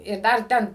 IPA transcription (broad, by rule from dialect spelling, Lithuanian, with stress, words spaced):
ɪr ˈdɐr ˈtʲɛn